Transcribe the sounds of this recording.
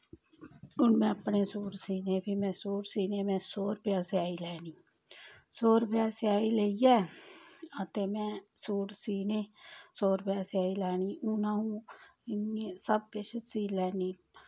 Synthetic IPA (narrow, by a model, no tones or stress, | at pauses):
ʊnmẽəpnesuːɽsiːnebʱimɛ̃ːsuːɾsiːnemɛ̃soːɾpjaːseaːilɛːniː | soːɾpjaːseaːileiɛː | ət̪eːmɛ̃ːsuːɽsiːneːsoːɾpjaːseaːilɛːniuːnaɦũnesəb̚keʃəsiːlɛːniː